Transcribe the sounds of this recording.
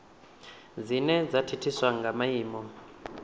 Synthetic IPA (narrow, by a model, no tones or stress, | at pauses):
d͡zinɛd͡zatʰitʰiswaŋɡamajiːmɔ